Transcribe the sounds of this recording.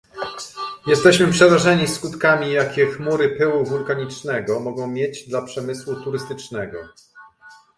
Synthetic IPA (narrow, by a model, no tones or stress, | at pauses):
jɛst̪ɛɕmɘpʂɛɾaʐɛɲiskut̪kamʲijakʲɛxmuɾɘpɘwuvulkaɲit͡ʂnɛɡɔmɔɡɔ̃w̃mʲjed͡ʑd̪lapʂɛmɘswut̪uɾɘst̪ɘt͡ʂnɛɡɔ̰